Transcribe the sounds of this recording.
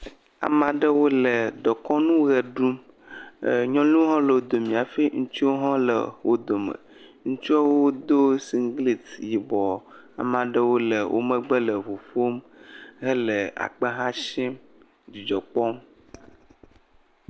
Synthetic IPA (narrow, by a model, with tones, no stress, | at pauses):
a̰˨mã˨ɖə˦wo˦lə˨ɖɔ˨kɔ˦nũ˦ɣɛ˨ɖu˦m˨ | ɲɔ̃˦lu˦ɦɔ̃˦lə˨wo˦d̪o˨mĩ˨a˨fi˦ŋũ˦t͡ʃi˦wo˦ɦɔ̃˦lə̰˨wʔo˦d̪o˨mə̰̃˨ | ŋũ˦t͡ʃu˦a˦wo˦d̪o˦si˦ŋɡli˨t̪ji˨bɔ˨ | a̰˨mã˨ɖə˦wo˦lə˨wʔo̰˦mə̃˦ɡ͡bə˦lə˨vo˨fo˦m | ɦə˦lə˨a̰˨k͡pə˦ɦã˦ʃɛ̃˦m | d͡ʑi˨d͡ʒɔ˨k͡pɔ˦m